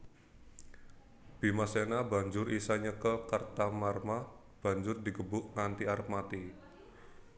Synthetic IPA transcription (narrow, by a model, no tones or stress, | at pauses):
b̥imasenaba̤ɲd͡ʒʊrisaɲəkəkart̪amarma | b̥a̤ɲd͡ʒʊrd̪i̤ɡəbʊʔŋant̪iaɾəp̚mat̪i